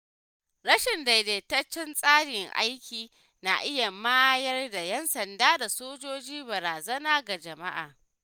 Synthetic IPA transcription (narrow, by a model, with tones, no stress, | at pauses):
ɽɐ˦ʃɪ˨nda˨jde˨tɐ˦t͡ʃːɪ˦nsʼaː˦ɽɪ˨ŋʔa̰˦jkʲiː˨ | na̰˨ʔɪ˦ja˨maː˦jɐ˦rda˨jɛ˦nsɐ˨ndaː˦da˨soː˦d͡ʒoː˦d͡ʒiː˦bɐ˨ɾaː˨zɐ˦naː˦ɡa˨d͡ʒɐ˨ma˦ʔa̰ː˨